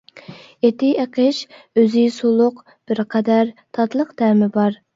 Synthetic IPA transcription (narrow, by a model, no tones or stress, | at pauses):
et̪ɪeqʰəʃøzɪsolˠʊq | b̥ɪɾqʰɛd̪æɾt̪ʰɑt̪lˠəqt̪æɾmɪbɑɾ